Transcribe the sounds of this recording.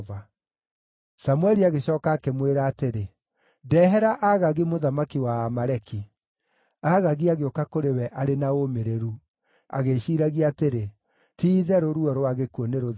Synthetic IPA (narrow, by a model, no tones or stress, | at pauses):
va | samwɛɾiaɣeɕɔːkaːkemweɾaːteɾe | dɛɦɛɾaʔaɣaɣimoðamakiwaːmaɾɛki | aɣaɣiaɣeokakoɾewɛʔaɾenaomeɾeɾu | a̰ɣeɕiːɾaɣiateɾe | tiːðɛɾoɾuɔɾoaɣekuɔneɾo